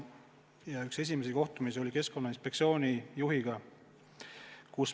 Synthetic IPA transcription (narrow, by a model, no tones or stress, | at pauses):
jɑykse̞s̬ʲimesiko̞ht̪umisio̞lʲike̞sko̞nːɑinspek̪̚sio̞ːnʲijuɦiɡ̥ɑ | kus